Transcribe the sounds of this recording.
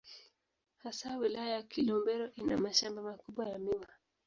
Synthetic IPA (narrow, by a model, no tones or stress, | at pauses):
hasawilajajakilɔmbɛɾɔʔina̰maʃambamakuɓwajamiwa